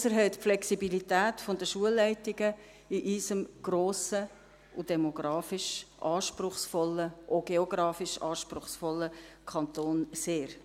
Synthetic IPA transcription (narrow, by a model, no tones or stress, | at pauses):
səɾɦɛɪtpflɛksibilitæːtfɔndəʃuəlːɛɪtiɡə | iʔiːsəmɡ̥ɾoːsə | ud̥ɛmoɡ̥ɾɑːfiʃʔɑːʃpɾʊχsfɔlːəʔoɡ̥eoɡ̥ɾɑːfiʃɑːʃpɾʊχsfɔlːəkʰɑntoːnseːɾ